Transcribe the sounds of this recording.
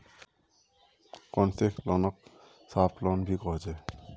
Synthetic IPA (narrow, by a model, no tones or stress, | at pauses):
kɔnseklɔnɔk̚ | saplɔnbʱikɔɦzɛ